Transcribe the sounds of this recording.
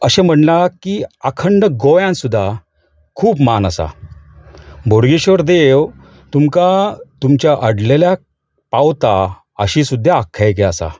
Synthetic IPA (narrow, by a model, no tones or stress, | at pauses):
əɕẽm̤əɳlakiəkʰəɳɖəɡojãnsud̪ʱːa | kʰuːpmanəsa̰ | bʱoɽɡiɕoɾd̪ew | t̪umkat̪umt͡ɕjaʔəɽlelja | pawt̪a | əɕĩsud̪ʱːjaːkʰːajk̬eəsa̰